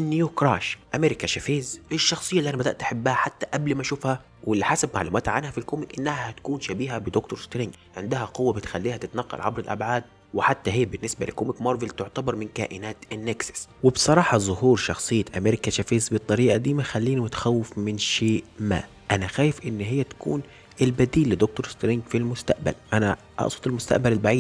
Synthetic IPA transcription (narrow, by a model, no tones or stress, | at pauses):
ʔɪnːjukɾˤɑːʃʔameːɾɪkaʃafeːzʔɪʃːɑxsˤɨjːalːiʔænæbæd̪æʔt̪ʔaħabːahæħat̪ːaʔæblmæʃuːfhæ | wɪlːiħasabma̰ʕlṵːmæːt̪ʕanhæfilkoːmɪkʔɪnːæhæhæt̪kuːnʃabiːɦæbɪd̪okt̪oɾst̪ɾɪŋɡ | ʕɪnd̪ɪɦæqʊwːabɪt̪xalːiːhæt̪ɪt̪nɑqːɑ̰lʕabɾɪlʔa̰bʕaːd̪̚ | wɪħat̪ːæɦeːbɪnːɪsbæ̰lɪ̰koːmɪkmɑɾvɪlt̪ʊʕt̪abɑɾˤmɪnka̰ːʔɪnaːt̪ɪnːeɡsḁswɪbsˤɑɾˤɑːħɑzˤʊhuːɾˤʃɑxsˤɨjːæʔameɾɪkæʃæfeːzbɨt̪ˤːɑɾiːʔad̪iːmæxælːiːnimʊt̪ḁxæwːɪfmɪnʃeːʔma̰ː | ʔænæxæːjɪfʔɪnːɦɪjːæt̪æ̥kṵːn | ʔɪlbæd̪iːlːɪd̪ok̚t̪oɾst̪ɾɪŋɡfilmʊst̪æʔbæ̰lʔænæ | ʔɑ̰ʔsˤwɑt̪ˤɪlmʊst̪a̰ʔbælɪlbaʕiːd̪